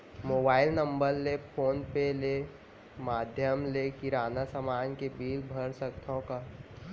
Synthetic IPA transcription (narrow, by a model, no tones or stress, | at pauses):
moːbaːɪlnə̃mbəɾlepʰoːnpele | maːd̪ʱjəmlekiɾaːnasamaːnkebʱiːlbʱəɾsək̚t̪ʰõka